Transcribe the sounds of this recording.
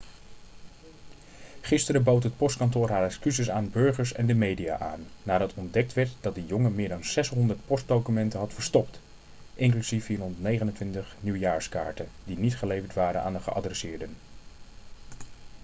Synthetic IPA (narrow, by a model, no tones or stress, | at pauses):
χɪstəɾəbowtɦət̚pɔstkɑntʊːɹɦaːɹɛkskyzɪsaːnbɵɹχəɹsɛ̰ndəmejdija̰ːʔa̰ːnːaːdɑtʰɔndɛk̚tʋɛɹtdɑt̚dəjɔŋəmɪːɹdɑnz̥ɛsɦɔndəɹt̚pɔst̚dowkymɛntənɦɑtfəɹstɔpt | ʔɪŋklysifiːrɦɔndəɹtnejχənəntʋɪntəχniwjaːɹska̰ːɹtədinitχəlejvəɹtʋaːɾə̰na̰ːndəχəʔɑ̰drɛsɪːɹdən